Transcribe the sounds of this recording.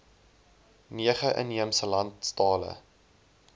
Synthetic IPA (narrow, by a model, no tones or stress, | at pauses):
niəχəʔə̰niəmsəlɐntstɑːlə̰